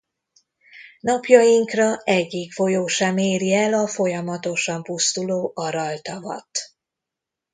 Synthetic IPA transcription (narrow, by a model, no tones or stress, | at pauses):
nɒpjɒjiŋkrɒɛɟːikfo̞joːʃɛmeːɾiɛlɒfo̞jɒmɒt̪o̞ʃɒmpust̪uloːʔɒɾɒlt̪ɒvɒ̰t̪